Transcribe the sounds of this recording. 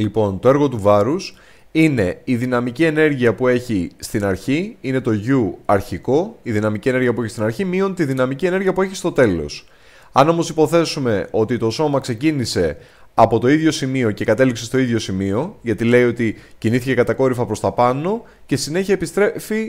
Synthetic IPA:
lipo̞nt̪o̞e̞ɾɣo̞t̪uvɐɾus | ine̞iðinɐmicie̞ne̞ɾʝiɐpue̞çist̪inɐɾçiine̞t̪o̞ʝuɐɾçiko̞iðinɐmicie̞neʝiɐpuçist̪inɐɾçimio̞nt̪iðinɐmicie̞ne̞ɾʝiɐpueçist̪o̞t̪e̞lo̞̰s | ɐ̰no̞mo̞sipo̞θe̞sume̞o̞t̪it̪o̞so̞mɐkse̞cinise̞ | ɐpo̞t̪o̞iðʝo̞simio̞ce̞kɐt̪e̞likse̞st̪o̞iðʝo̞simio̞ʝɐt̪ile̞io̞t̪iciniθi̥ce̞kɐt̪ɐko̞ɾifɐpɾo̞st̪ɐpɐno̞ | ce̞sine̞çɐepist̪ɾefi

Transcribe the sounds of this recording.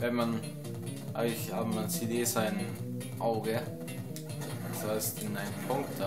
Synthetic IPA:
vɛnman | ʔa̰ɪŋtlɪçhaːbəmant͡sedeːsaɪn | ʔaʊɡə | asaɪstɪnaɪnənpʰʊŋkta

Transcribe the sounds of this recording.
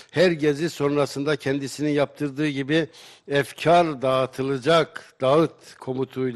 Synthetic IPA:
hæɾɟe̞ziso̞nɾasɯnd̪acʰɛnd̪isininjap̚t̪ʰɯɾd̪ɯːɟibiɛfcʰaɾd̪aːt̪ʰɯlˠɯd͡ʒakd̪̥aɯt̪kʰo̞mut̪ʰujlˠ

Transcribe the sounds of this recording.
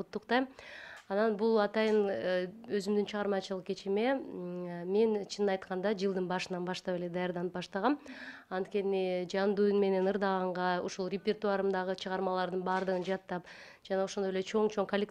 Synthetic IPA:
ut̪ːuqt̪ɑjmɑnɑnbulˠɑt̪ɑjɯnø̞zymd̪ynt͡ʃʰɯʁɑɾmɑt͡ʃɯlˠɯq̚ket͡ʃime̞ | me̞nt͡ʃʰinnɑjt̪qɑnd̪ɑd͡ʒɯlˠd̪ɯnbɑʃɯnɑnbɑʃt̪ɑpe̞le̞d̪ɑjɑɾd̪ɑnɯpbɑʃt̪ɑʁɑmɑnt̪̚kʲe̞nid͡ʒɑnd̪ujunme̞ne̞nɯɾd̪ɑʁɑɴʁɑoʃulˠrʲepʲert̪uɑɾɯmd̪ɑʁɯt͡ʃʰɯʁɑɾmɑlˠɑɾd̪ɯnbɑɾd̪ɯʁɯnd͡ʒɑt̪ːɑp | d͡ʒɑnɑoʃond̪o̞jele̞t͡ʃʰo̞ŋt͡ʃʰo̞ŋkolʲːek

